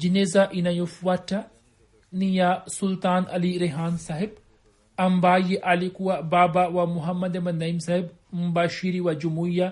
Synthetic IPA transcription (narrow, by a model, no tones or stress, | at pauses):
d͡ʒinezaʔinɐjufwaʈːɐ | nijasult̪aːnɐ̰liɾeɦaːnsaɦib̚ | ɐmbaːjiʔɐlikuwabaːbawamuɦɐmːɐd̪emɐnːɐimsaɦib | mubaːʃiːɾiwad͡ʒumuja